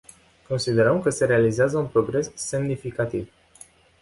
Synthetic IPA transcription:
ko̞nsid̪e̞ɾəmkəse̞ɾe̞alizeazəunpɾo̞ɡɾe̞sːe̞mnifikat̪iv

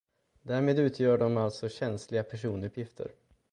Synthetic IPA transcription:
d̪æːɾmeːd̪ʉ̟ːt̪ʰjœːɖɔmalt̪sɔɕɛnslɪɡapʰæʂuːnɵpʰjɪft̪ʰə̰ɾ

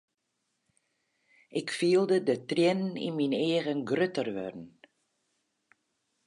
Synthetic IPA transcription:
ʔɪkfiːəlˠdədətrɛnnḭnmineːəɣənɡrøtərʋø̰rn̩

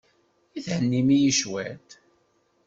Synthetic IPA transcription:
iθhənːimijiʃwæt̪

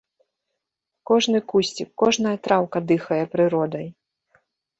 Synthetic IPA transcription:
kɔʐnɨkusʲt͡sʲikːɔʐnɐjɐt̪ɾawkɐd̪ɨxɐjɛpɾɨɾɔd̪ɐj

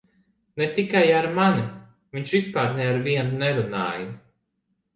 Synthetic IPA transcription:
net̪ikajaɾmani | viɲt͡ʃvispaːɾnɛaɾviɛnunɛɾuna̰ːjɨ

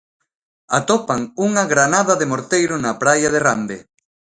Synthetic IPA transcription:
at̪opaŋuŋɐɣɾanaðɐðemoɾt̪ejɾʊnapɾajɐðeramd̪e

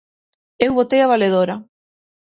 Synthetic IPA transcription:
ewβot̪ejaβaleð̞oɾa

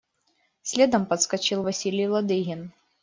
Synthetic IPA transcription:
sʲlʲɛd̪ɐmpɐt̪skɐt͡ʃɨlˠvɐsʲilʲɪjlˠɐd̪ɨɣʲɪn

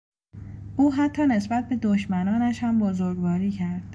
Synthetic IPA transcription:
ʔuːɦæt̪ʰːɒːne̞sbæt̪̚be̞d̪oʃmænɒːnæʃhæmbozoɾɡvɒːɾiːcʰæɾd̪̥

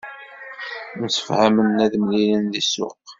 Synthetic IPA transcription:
nsə̥fhæmənːæðmlilənðisʊ̰q

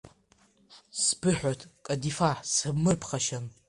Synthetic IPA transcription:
sbɨħʷᶣatʰʼkʼadifaħsɨbmɨrpʰχaʃan

